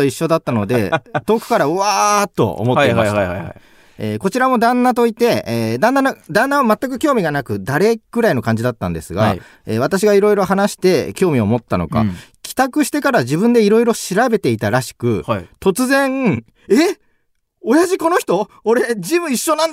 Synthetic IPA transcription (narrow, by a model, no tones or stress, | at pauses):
oiɕːo̞d̪at̪ːano̞d̪e̞̰t̪o̞ːkɯ̟̥kaɾaɯaːt̪ːo̞̰o̰mo̞t̪ːe | eːko̞t͡ɕiɾamo̞d̪ãnːat̪o̞it̪e̞ːd̪ãnːanad̪ãnːaβamat̪ːak̬ɯ̟kʲo̞ːmʲiɡanakɯ̟d̪aɾe̞ɡ̥ɯ̟ɾaino̞kãɲ̟d͡ʑid̪at̪ːã̰nd̪esɨɡa̰ | eːβ̞at̪aɕ̬iɡaiɾo̞iɾo̞ɦanaɕi̥t̪e̞kʲo̞ːmʲio̞mo̞t̪ːano̞̰ka̰kʲʰi̥t̪akɯ̟ɕi̥t̪e̞kaɾaʑibɯ̟̃nd̪e̞iɾo̞iɾo̞ɕiɾabe̞t̪e̞it̪aɾaɕi̥kɯ̟t̪o̞t͡sɨzẽ̞ŋ | e | o̞jaʑiko̞no̞çi̥t̪o̞ː | ɾe̞d͡ʑimɯ̟iɕːo̞nãn